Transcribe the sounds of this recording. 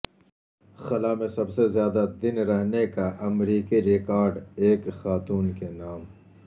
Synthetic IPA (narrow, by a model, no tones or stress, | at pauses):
xɐlaːmẽsɐbsezjaːd̪ad̪ɪnɾɐɦnekaʔɐmɾiːkiɾɪkaːɾɖeːkxaːt̪uːnkenaːm